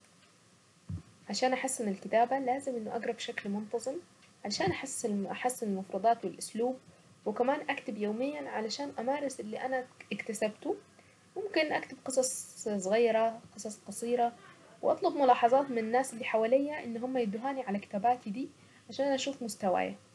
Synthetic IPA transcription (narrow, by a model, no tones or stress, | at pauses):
ʕaʃaːnʔaħasːɪnɪlkɪt̪aːbalaːzɪmʔɪnːʊʔaɡɾˤɑbʃaklmʊnt̪ɑzˤɨm | ʕalʃaːnʔaħasːɪʔaħasːɪnɪlmʊfɾˤɑd̪ˤɑːt̪wɪlʔʊsluːb̚ | wɪkamaːnʔakt̪ɪbjoːmɪjːanʕalaʃaːnʔamaːɾˤɪsʔɪlːiʔanaɪkt̪asabt̪u | mʊmkɪnʔakt̪ɪb̚qɨsˤɑsˤsˤɣiːɾaqɨsˤɑsˤqɑsˤiːɾa | wʔɑt̪ˤlɑbmʊlɑːħɑzˤɑːt̪mɪnɪnːaːsɪlːiːħawaːlɪjːaʔɪnːɦʊmːajɪd̪ʊɦaːniʕalakɪ̥t̪aːbaːt̪id̪iː | ʕaʃaːnʔnʔaʃuːfmʊst̪awa̰ːja̰